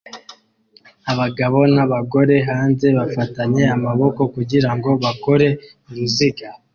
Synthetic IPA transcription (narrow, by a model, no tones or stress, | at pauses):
aβaɡaβo̞naβaɡo̞ɾe̞ɦaːnze̞βafataɲe̞amaβo̞ko̞kuɟiɾaŋɡo̞βako̞ɾe̞ | uɾuziɡa